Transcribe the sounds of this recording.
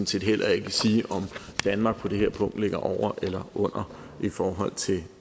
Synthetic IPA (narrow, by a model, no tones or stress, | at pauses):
n̩se̝ːd̥ɦel̰ʔɐe̝ɡ̥siːʔɒ̽md̥ænmɑ̈ɡ̥̚pʰɒ̽d̥e̝ɦeɐ̰pʰɔ̽ŋ̰d̥le̝ɡ̥ɐʔɒʊ̰ɐʔelɐʔɔ̽n̰ɐ | ʔifɒːɦɒ̽l̰t͡sʰe̝l